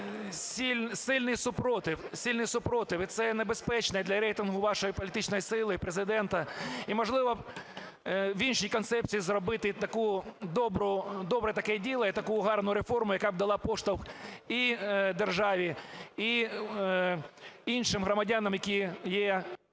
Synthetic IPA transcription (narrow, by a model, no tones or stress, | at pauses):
sʲilʲsɪlʲnɪjsʊpɾɔt̪ɪwsʲilʲnɪjsʊpɾɔt̪ɪwit̪sɛnebespɛt͡ʃnɛd̪lʲɐɾɛjt̪ɪnɦʊʋɑʃɔjipɔlʲɪt̪ɪt͡ʃnɔjisɪlˠɪpɾezɪd̪ɛnt̪ɐimɔʐlˠɪʋɐ | ʋinʃijkɔnsɛp̚t͡sʲijːzrɔbɪt̪ɪt̪ɐkud̪ɔbɾʊd̪ɔbɾɛt̪ɐkɛdʲilˠɐjit̪ɐkujʊɦɑrnʊɾefɔrmʊjɐkɑb̚d̪ɐlˠɑpɔʂt̪ɐwxid̪erʒɑʋʲii | inʃɪmɦɾɔmɐdʲanɐmjɐkʲijɛ